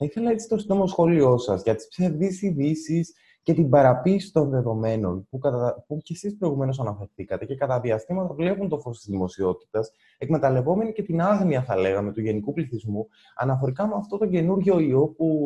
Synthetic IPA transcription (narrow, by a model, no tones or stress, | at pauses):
θɐiθe̞lɐe̞t͡si̥t̪o̞sinomoosxo̞lio̞sɐzʝɐt̪i̥spse̞ɾðisiðisis | ce̞t̪ibɐɾɐpiːsi̥t̪o̞nðe̞ðo̞me̞no̞npukɐt̪puce̞sispɾo̞iɣume̞no̞s̬ɐnɐfe̞ɾθikɐt̪e̞ce̞kɐt̪ɐðiɐst̪imɐt̪ɐvle̞punt̪o̞fo̞sot̪izðimo̞sio̞t̪i̥t̪ɐs | ekme̞t̪ɐle̞vo̞me̞nice̞t̪inɐɣniɐθɐle̞ɣɐme̞t̪uʝe̞nikupliθizmu | ɐ̰nɐfo̞ɾikɐmeɐft̪o̞t̪o̞ɟe̞nuɾʝo̞io̞p̚u